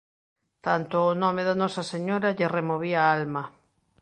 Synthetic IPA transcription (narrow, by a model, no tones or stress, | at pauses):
t̪ant̪ʊːnɔmeðanɔsɐseɲoɾɐʎeremoβiaalmɐ